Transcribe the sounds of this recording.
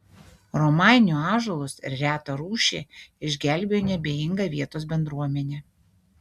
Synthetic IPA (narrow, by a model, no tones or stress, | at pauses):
ɾɔmɑˑɪnʲuːɑːʒolˠʊsɪ̰ɾɾʲæːt̪ɐɾuːʃʲḛːɪʒʲɡʲæˑlʲbʲeːjoːnʲɛbʲeːjɪŋɡɐʋʲiɛt̪oːs̬bʲɛnd̪ɾuɔmʲɛnʲeː